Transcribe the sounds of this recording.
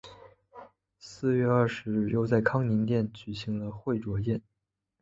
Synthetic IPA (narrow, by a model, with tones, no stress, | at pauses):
sɹ̩˥˧ɥɛ˥˧ɐ˞˥˩ʂɻ̩˧˥ɻ̩˥˩jo˥˧ʊt͡sa˥˩ɪkʰɑ˥ŋni˧˥nt̪jɛ˥˩nt͡ɕy˨˩ɕi˧˥ŋlə˧xwe˥˩ɪʈ͡ʂwɔ˧˥jɛ˥˩n